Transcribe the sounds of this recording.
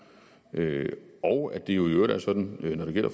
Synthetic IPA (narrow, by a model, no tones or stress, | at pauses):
ʔøɒʊæd̥e̝jo̝iødæɐsɒ̽d̥n̩nɒɾe̝ɡ̥el̰ɐf